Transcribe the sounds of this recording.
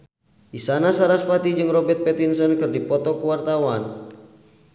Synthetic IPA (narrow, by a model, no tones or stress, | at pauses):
ʔisanasaɾaspat̪id͡ʒɨŋrɔbɛrt̪̚pɛt̪insənkɨrdipɔt̪ɔkuwart̪awan